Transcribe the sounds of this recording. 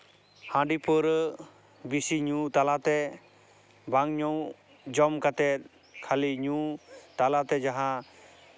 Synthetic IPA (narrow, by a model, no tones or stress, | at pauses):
hãɖipəɾ | bisiɲũt̪alat̪ɛ | baŋɲɔw | d͡ʒɔmkat̪ɛt̪̚ | kʰaliɲũt̪alat̪ɛd͡ʒaɦã